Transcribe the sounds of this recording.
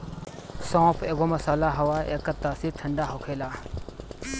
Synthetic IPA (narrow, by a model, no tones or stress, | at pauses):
sõːpʰeːɡomɐsaːlaɦɐwaːʔḛːkːɐt̪aːsiɾʈ̪ʰɐɳɖaːɦokʰeːlaː